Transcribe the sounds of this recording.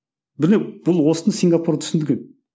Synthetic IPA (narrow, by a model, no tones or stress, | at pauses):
bɪneb̥ʊlˠwo̞sənəsiŋɡapuɾat̪ʰʏ̥sɪnd̪ɪɡʲe̞n